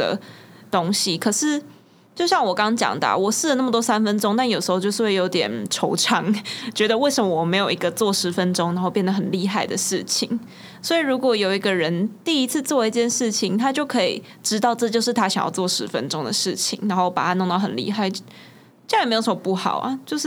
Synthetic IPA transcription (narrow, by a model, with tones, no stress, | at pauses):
ə̰˩t̪o˥ŋɕi˨kʰɤ˨˩ʂɻ̩˥˧ | t͡ɕjo˥˧ʊɕjɑ˥˩ŋwɔ˨˩kɑ˦ŋt͡ɕjɑ̰˨˩ŋd̪ə̰˨wɔ˨˩sɻ̩˥˩ə˦na˥˩mə˩t̪wɔ˥sa˥nfə˥nʈ͡ʂo˥ŋt̪a˥˩njo˨˩ʂ̩ɻ̩˧˥xo˧t͡ɕjo˥˧ʊʂ̩˥˧˥we˥˩jo˧˥t̪jɛ˨˩nʈ͡ʂʰo˧˥ʊʈ͡ʂʰɑ˧˥ŋt͡ɕɥɛ˧˥d̪ə˧we˥˩ɪʂə˨˧mə˧wɔ˨˩me˧˥ɪjo˨˩ʊi˧˥ɡə˧t͡swɔ˥˩ʂɻ̩˧˥fə˦nʈ͡ʂʊ˥ŋn˧˥xo˥˧ʊpjɛ˥˩nd̪ə˩ɦə˨˩nli˥˧xa˥˩ɪd̪ə˩ʂɻ̩˥˩t͡ɕʰḭ˨˩˦ŋ | swɔ˧˥i˨˩ɻu˧˥kwɔ˨˩jo˨˩ʊi˧˦˥ɡə˧ɻə˧˦nt̪i˥˩i˧˥t͡s̩ʰ˥˧t͡swɔ˥˧i˥˧t͡ɕjɛ˥˧nʂɻ̩˥˩t͡ɕʰi˨˦ŋt̪ʰa˥t͡ɕjo˥˩ʊkʰɤ˧˥ḭ˨˩ | ʈ͡ʂɻ̩˥t̪ɑ˥˧ʊʈ͡ʂɤ˥˧t͡ɕjo˥˧ʊʂ̬ɻ̩˥˩t̪ʰa˥ɕjɑ̰˨˩ŋjɑ̰˥˧ʊt͡swɔ˥˩ʂɻ̩˧˥fə̰˦nʈ͡ʂo˥ŋd̪ə˨ʂɻ̩˥˩t͡ɕʰḭ˨˦ŋna˧˥ŋxo˥˩ʊpa̰˨˩t̪ʰa˦˥no˥˧ŋt̪ɑ˥˩hə̰˨˩nlḭ˥˧xa˥˧ɪ | t͡ɕm˧˥o˨˩ʂə˧˥mɔ˨˩pu˥˩xɑ̰˨˩ʊɐ̰˨˩t͡ɕjo˥˧ʊʂɻ̩˥˩